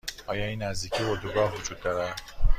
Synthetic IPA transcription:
ʔɒːjɒːinːæzd̪iːcʰivod̪uɡɒːhvod͡ʒuːd̪ːɒːɾæd̪

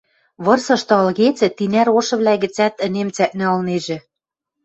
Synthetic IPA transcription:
βɤ̆rsɤ̆ʃt̪ɤ̆ɑlɣet͡sɘ̆t̪inæɾoʃɤ̆βlæɣɘ̆t͡sæt̪ɘ̆nemt͡sæʔ̚næ̆ɤlneʒɘ̆

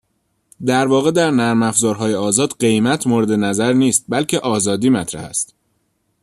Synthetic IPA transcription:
d̪æɾvɒːɣe̞d̪æɾnæɾmæfzɒːɾɦɒːjeɒːzɒːd̪ɢe̞jmæt̪ʰmoːɾed̪e̞næzæɾniːst̪̚bælcʰe̞ʔɒːzɒːd̪iːmæt̪ʰɾæ̰hæ̰st̪

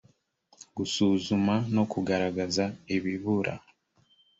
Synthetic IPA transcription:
ɡusuzumano̞kuɡaɾaɡazaeβiβuɾʔa̰

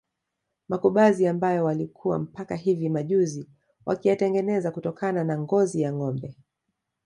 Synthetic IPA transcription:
makuɓaziambajɔwalikʰuwa̰m̩pakaɦivimaʄuzi | wʔa̰kijatɛŋɡɛnɛzakutɔkananaŋɡɔzijaŋɔmbɛ

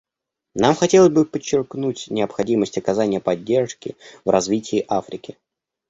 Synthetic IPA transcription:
namxɐtʲelˠəzʲbɨpət͡ɕːɪrknutʲnʲɪəpxɐdʲiməsʲtʲɐkɐzanʲɪjəpɐdʲːe̞rʂkʲɪvrɐzvʲitʲɪːʔafɾʲɪkʲɪ

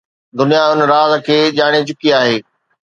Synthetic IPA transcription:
d̪ʊnijaʊnɾaːzkʰeːʄaːɽ̃et͡ɕʊkiaːɦeː

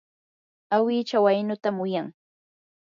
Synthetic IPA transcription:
awiːt͡ʃawajnʊt̪amʊjaŋ

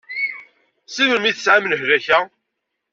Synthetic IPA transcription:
siməmiθəsʕamələhðæçæ

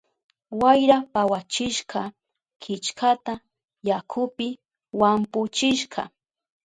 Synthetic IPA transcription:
wajɾapawat͡ʃɪʃɢɑ | kʰɪt͡ʃkʰat̪a | jakʰʊpɪ | wampʊt͡ʃɪʃɢɑ̰

